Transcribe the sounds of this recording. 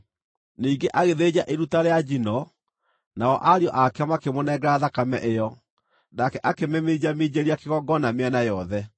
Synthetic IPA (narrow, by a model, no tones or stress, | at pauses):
niːɡeʔaɣeðed͡ʑaʔeɾutaɾead͡ʑinɔ | naɔʔaɾiɔʔakɛamakemonɛɛɡɾaðakamɛ̰ʔejɔ | nakɛʔakemɛmed͡ʑamed͡ʑeɾiakeɣɔɡɔnameanajɔðɛ